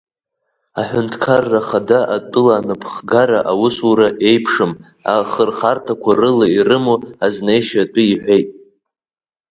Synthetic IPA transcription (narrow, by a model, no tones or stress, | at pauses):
aħʷᶣʊntʰkʰarːaχadaʔatʼɨlaːnɨpʰχɡaɾaʔawʊsuɾaʔe̞jpʰʂɨm | a̰χərχartʰakʷʰarɨlairɨmuaznejʃatʼɨiħʷᶣejtʼ